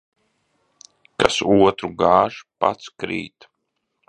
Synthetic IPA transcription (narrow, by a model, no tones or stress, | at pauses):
kasuɔt̪ɾuɡaːʒpa̰t̪skɾḭːt̪